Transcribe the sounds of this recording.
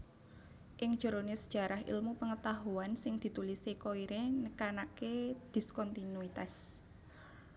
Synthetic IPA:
ʔɪŋd̥ʒ̥o̤ɾonesə̥d̥ʒ̥ä̤ɾaɦʔḭlmupəŋət̪aɦuansɪŋd̪̥i̤t̪ulisekoiɾenəkanaked̪̥i̤skɔnt̪inuit̪as

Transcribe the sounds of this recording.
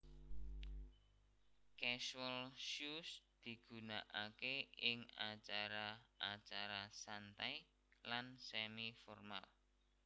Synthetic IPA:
kɛʃwəlʃusd̪̥i̤ɡ̥ṳnaʔakeɪŋat͡ʃaɾaʔat͡ʃaɾasant̪aj | lansɛmifɔrmal

